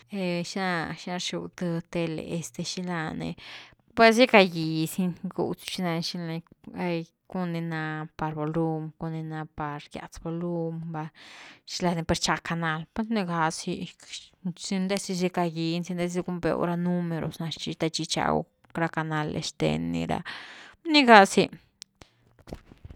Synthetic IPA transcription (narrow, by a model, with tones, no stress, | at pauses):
e˧ʃi˦na˧ʃi˦na˧ɾʃu˧wt̪ə˧t̪e˧lḛ˧˨e˧st̪e˧ʃi˧la˧nḛ˧ | pwe˦s̬ji˦ka˧ji˨si˦nɡṵ˧t͡st͡ʃi˦na˧nʃi˧la˧ja˧j | ku˦ni˧na˧pa˧ɾbo˨lu˧mko˧ni˧na˧pa˨ɾɡja̰˧t͡sbo˧lu˦mba˧ʃi˧la˧ni˧pa˧ɾt͡ʃa˧ka˧na˧lpwe˦sni˧ɡa˧si˧ | si˧nd̪e˦si˧s̬i˧ka˧ji˧nsi˧nd̪e˦s̬i˧ɡu˦mbḛ˧o̰˧˦ɾa˧nu˦me˧ɾo̰˨sna˧t͡ʃi˧t̪a˧t͡ʃi˧t͡ʃa̰˧w̰ | kɾa˧ka˧na˧lḛ˧ʂt̪ḛ˧nːḭ˧ɾa̰˧ni˦ɡa˧si˧